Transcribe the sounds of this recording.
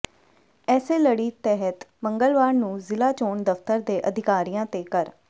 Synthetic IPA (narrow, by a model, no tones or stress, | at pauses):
ɛːseːləɽiːt̪ɛːɦət̪məŋɡəlʋaːɾnũːzɪlaːt͡ʃoːɳd̪əft̪əɾd̪eːʔəd̪ʱɪkaːɾijãːt̪eːkəɾ